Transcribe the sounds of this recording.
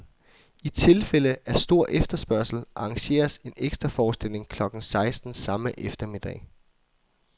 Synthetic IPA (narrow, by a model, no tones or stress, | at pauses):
it͡sʰe̝lfel̰əæɐsd̥o̝ɐ̰ʔefd̥ɐsb̥ɶɐ̰sl̩ʔɑ̈ːŋɕe̝̰ːɐse̝neɡ̥sd̥ʁɐfɒːsd̥el̰e̝ŋkʰlɒ̽ɡ̥n̩sɑ̈ɪsd̥n̩sɑ̈məʔefd̥ɐmid̥ɛ̰ɪ